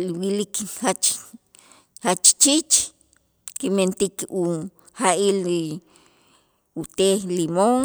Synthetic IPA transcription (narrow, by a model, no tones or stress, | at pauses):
lwilikhat͡ʃ | hat͡ʃt͡ʃit͡ʃ | kiment̪iku | haʔilɾi | ut̪ehlimoŋ